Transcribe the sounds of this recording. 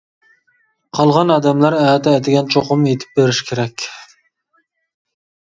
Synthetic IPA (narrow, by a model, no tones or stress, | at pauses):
qʰɑlˠʁɑnɑːd̪ɛmlæɾɛːd̪ɛɛd̪ɪɡʲɛnt͡ʃʰoqʊmjet̪ʰɪ̥p̚beɾɪʃkʲʰeɾɛkʲ